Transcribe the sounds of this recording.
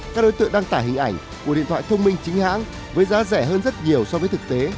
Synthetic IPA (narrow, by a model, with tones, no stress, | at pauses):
kaː˦˥k̚ɗo˨˦jt̪ɨ̰˧əŋɗaː˧ŋt̪aː˧˩ɦï˨˩ŋ̟ʔa˧˩jŋ̟ | ku˧˩ḭ˧˨nt̪ʰw̰a̰ː˧˨t̪ʰə˧wŋ͡mmï˧ŋ̟t͡ɕï˨˦ŋ̟ha̰ː˧˥ŋ | vəː˨˦jzaː˨˦zɛ˧˩ɦəː˧nzə˦˥t̚ɲi˨˩əwsɔ˧vəː˨˦jt̪ʰɨ˨˩k̚t̪e˨˦